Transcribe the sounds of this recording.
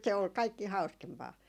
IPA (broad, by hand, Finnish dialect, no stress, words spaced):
se ol kɑikːi hɑu̞skempɑː